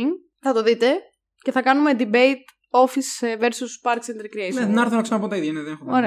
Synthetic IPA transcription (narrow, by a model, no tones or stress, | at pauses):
ŋ | θɐt̪oðit̪e | ce̞θɐkɐnume̞d̪ibejt̪̚ | o̞fisve̞ɾsuspɐɾksend̪eɾkɾieseðenɐɾθonɐksenɐpot̪ɐiðjɐneðenexoɾe